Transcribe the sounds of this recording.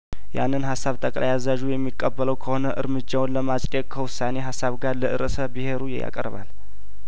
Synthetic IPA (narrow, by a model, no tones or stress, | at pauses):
ja̰nːɨnɦasːaβt̪ʰəkʼla̰jazaʒujɛmːikʼːəbːələwkʰəho̞nəʔɨɾmɨd͡ʒːawnləmasʼɛkʰəwʊsːane̞ɦasːaβɡaɾləʔɨɾəsəbɨhe̞ɾujɛ̰ja̰kʼə̰ɾβa̰l